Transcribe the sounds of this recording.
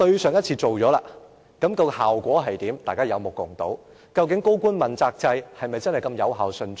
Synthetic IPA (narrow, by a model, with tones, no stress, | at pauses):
t̪ɵ˧ɥsœː˨ŋjɐ˥t̚t͡sʰiː˧t͡so˨wt͡sɔː˨˥laː˧ | kɐ˨˥mkɐ˧whaː˨˩wkʷɔː˨˥ɦɐ˨jt̪iː˨˥mt̪aː˨jkaː˥jɐ˨˧wmʊ˨kːʊ˨˩ŋt̪o̰˨˥w | kɐ˧wkɪ˨˥ŋko˥wkʷuː˥nmɐ˨˩nt͡saː˧k̚t͡sɐ˧jhɐ˨jmɐ˨jt͡sɐ˥nhjkɐ˧mjɐ˨˧wɦaː˨wsɵ˧nt͡s